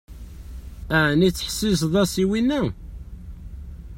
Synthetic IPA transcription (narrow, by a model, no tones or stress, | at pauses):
æʕnit͡sːə̥ħsizðˤɑsiwinːæ